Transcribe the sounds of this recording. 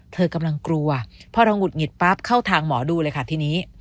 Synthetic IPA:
t̪ʰɤː˧ka˧mla˧ŋkɾu˧ɐpʰɔ˦˥ɾa˧wŋu˨˩t̪̚ŋi˨˩t̪̚pa˦˥p̚kʰa˥˩wt̪ʰaː˧ŋmɔː˩˦duː˧lɤː˧jkʰa˥˩t̪ʰiː˧niː˦˥

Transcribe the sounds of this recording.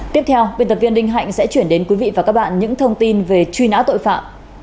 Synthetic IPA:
t̪i˦˥əp̚t̪ʰɛ˧wɓi˧˩˨nt̪ə˨˩p̚vi˧ənɗï˧ŋ̟ɦa̰˧˨jŋsɛ̰˧˥t͡ɕwi˧˩ənɗe˨˦nkwi˨˦vḭ˧˨vaː˨˩kaː˦˥k̚ɓa̰ː˧˨nɲɨ̰˧˥ŋt̪ʰə˧wŋ͡mt̪i˧nve˨˩t͡ɕwi˧na̰ː˧˥wt̪o̰˧˨jfa̰ː˧˨m

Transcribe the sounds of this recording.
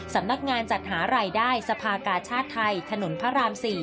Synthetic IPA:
sa˩˦mna˦˥k̚ŋaː˧nt͡ɕa˨˩t̪̚ɦaː˩˦ɾaː˧jdaː˥˩jsa˧pʰaː˧kaː˧t͡ɕʰaː˥˩t̪ʰːa˧jt̪ʰa˧no˩˦npʰa˦˥ɾaː˧msiː˨˩

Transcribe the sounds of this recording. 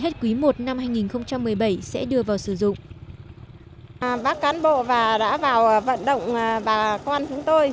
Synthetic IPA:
ɦe˦˥t̚kwi˨˦mo˨˩t̚na˧mhaː˧jŋi˨˩nxə˧wŋ͡mt͡ɕa˧mːɨ˨˩əjɓə˧˩jsɛ̰˧˥ɗɨ˧əvaː˨˩wsɨ˧˩zʊ̰˧˨ŋ͡m | ɓaː˦˥k̚kaː˨˦nɓo̰˧˨vaː˨˩ɗa̰ː˧˥vaː˨˩wvə̰˧˨nɗə̰˧˨wŋ͡mɓaː˨˩kwaː˧nt͡ɕʊ˨˦ŋ͡mt̪o˧j

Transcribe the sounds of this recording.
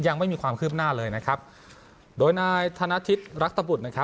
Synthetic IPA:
ja˧ŋma˥˩jmiː˧kʰwaː˧mkʰɯː˥˩p̚naː˥˩lɤː˧jna˦˥kʰa˦˥p̚ | doː˧jnaː˧jt̪ʰa˧na˦˥t̪ʰi˦˥t̪̚ɾa˦˥k̚t̪a˧bu˨˩na˦˥kʰa˦˥

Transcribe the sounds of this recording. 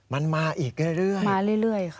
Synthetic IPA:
ma˧nmaː˧ʔiː˨˩k̚ɾɯ˥˩jɾɯ˥˩əjmaː˧ɾɯ˥˩˨jlɯ˥˩əjkʰ

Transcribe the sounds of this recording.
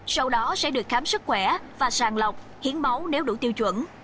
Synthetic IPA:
sa˧wɗɔ˨˦sɛ̰˧˥ɗɨ˨˩ək̚xaː˨˦msɨ˦˥k̚xwɛ˧˩vaː˨˩saː˨˩nlə˨˩wk͡p̚ | hi˨˦ənma˨˦wne˨˦wɗṵ˧˩t̪i˧wt͡ɕwə̰˧˥n

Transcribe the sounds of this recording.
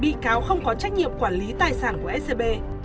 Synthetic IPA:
ɓḭ˧˨kaː˨˦wxə˧wŋ͡mkɔ˨˦t͡ɕa˦˥jk̚ɲḭ˧˨əmkwaː˧˩nli˨˦t̪aː˨˩jsaː˧˩nku˧˩əʔɛ˦˥se˧ɓe˧

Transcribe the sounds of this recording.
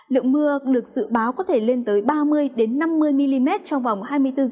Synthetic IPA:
lɨ̰˧˨əŋmɨ˧əɗɨ˨˩ək̚z̥ɨ̰˧˨ɓaː˨˦wkɔ˨˦t̪ʰe˧˩le˧nt̪əː˨˦jɓaː˧mɨ˧əjɗe˨˦nːa˧mːɨ˧əjmi˧li˧mɛ˦˥t̚t͡ɕɔ˧wŋ͡mva˨˩wŋ͡mhaː˧jmɨ˧əjt̪ɨ˧

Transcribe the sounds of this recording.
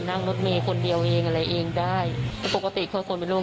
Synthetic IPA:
na˥˩ŋno˦˥t̪̚meː˧kʰo˧ndi˧əwʔeː˧ŋʔa˧ɾa˧jʔeː˧ŋdaː˥˩jlʰɛː˦˥po˨˩ka˧t̪i˨˩kʰaː˥˩kʰo˧npe˧nlɾu˥˩˨

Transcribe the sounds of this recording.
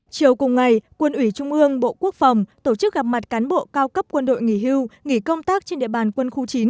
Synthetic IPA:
t͡ɕi˨˩əwkʊ˨˩ŋ͡mŋa˨˩jkwə˧nʔwi˧˩t͡ɕʊ˧ŋ͡mʔɨ˧əŋɓo̰˧˨ku˦˥ək̚fa˨˩wŋ͡mt̪o˧˩t͡ɕɨ˦˥k̚ɣa˨˩p̚ma˨˩t̚kaː˨˦nɓo̰˧˨kaː˧wkə˦˥p̚kwə˧nɗo̰˧˨jŋi˧˩ɦi˧wŋi˧˩kə˧wŋ͡mt̪aː˦˥k̚t͡ɕe˧nɗḭ˧˨əɓaː˨˩nkwə˧nxu˧t͡ɕi˨˦n

